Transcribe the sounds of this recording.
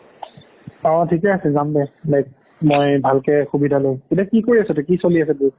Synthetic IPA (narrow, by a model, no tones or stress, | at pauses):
aãtʰikɛasɛzambɛlɛk̚ | mojbʱalkɛxubidʱaloj̃ketiakikoɹiasɛtʊkisoliasɛbu